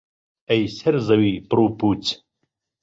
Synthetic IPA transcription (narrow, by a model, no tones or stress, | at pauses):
ɐjseɾzɐwipɾuːpuːt͡s